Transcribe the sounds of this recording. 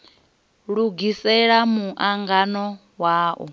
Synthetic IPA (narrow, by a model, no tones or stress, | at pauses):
ɺuɡisɛɺamuʔaŋɡanɔ | waːʔɔ̰